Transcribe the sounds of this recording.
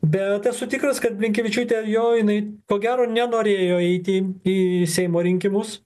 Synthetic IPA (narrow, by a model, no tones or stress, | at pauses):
bʲɛt̪ɐsʊt̪ʲɪikɾɐskɐt̪pʲlʲɪŋʲkʲɛʋʲɪt͡ʃʲut̪ʲɛjoːjɪnɐɪkoːɡʲæːɾoːnʲɛnoːɾʲeːjoːɛɪt̪ʲɪiːsʲɛɪmoːɾʲɪŋʲkʲɪmʊs